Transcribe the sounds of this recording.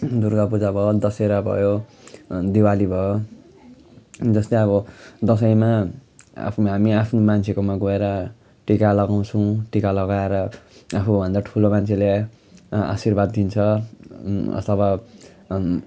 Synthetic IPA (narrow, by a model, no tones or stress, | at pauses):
d̪uɾɡapud͡zabʱʌjod̪ʌseɾʌbʱʌ̰jo | d̪iwalibʱʌjo | d͡zʌst̪eʌβʌd̪ʌs̬ʌjma | a̰pʰɦamiapʰnomant͡sʰekomaɡoeɾʌ | ʈikalʌɡaw̃t͡sʰʌw̃ʈikalʌɡaeɾʌapʰubʱʌnd̪aʈʰulomant͡sʰele | a̰sirbad̪̚ːint͡sʰʌ | ʌ̰t̪ʰʌba